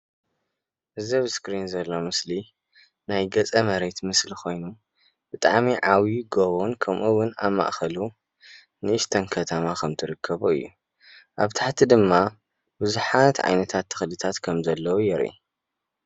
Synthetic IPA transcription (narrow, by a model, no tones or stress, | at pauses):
ʔɨzɐβskɾinzɐlːo̞mɨsli | najɡɐt͡sʼɐmɐɾet̪mɨslixo̞jnu | b̥ɨt̪ʼa̰ʕmiʕawiɡoβonkʰɐmʔuwʊna̰βmːa̰ʔxɐlu | nɨʔɨst̪ʰɐnkʰɐt̪ʰɐmakʰɐmt̪ʰɨɾɨkʰːɐβuɨ̰jːu | ʔaβt̪ʰaħt̪ʰid̪ɨmːa | bɨzuħat̪ʕa̰jnɐt̪ʰat̪ʰːɨ̥xlɨt̪ʰat̪kʰɐmzɐlːɐwujɛɾʔḭ